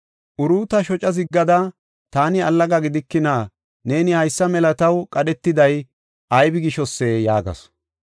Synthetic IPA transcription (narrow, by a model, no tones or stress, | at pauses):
ʔʊɾuːt̪ɐʃɔt͡ʃʼɐzɪɡːɐd̪ɐ | t̪aːnɪɐlːɐɡɐɡɪd̪ɪkːɪnaː | ne̞ːnɪhɐjsːɐmɛlɐt̪ɐwkʼɐɗɛt̪ːɪd̪ɐj | ʔɐjbɪɡɪʃɔsːejaːɡɐ̰s